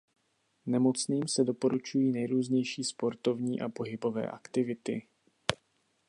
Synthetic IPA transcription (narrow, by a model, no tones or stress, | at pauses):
nɛmo̞t͡sniːmsɛdo̞po̞ɾut͡ʃujiːnɛjɾuːzɲɛjʃiːspo̞ɾt̪o̞vɲiːʔa̰po̞ɦɪbo̞vɛ̰ːʔakt̪ɪvɪt̪ɪ̰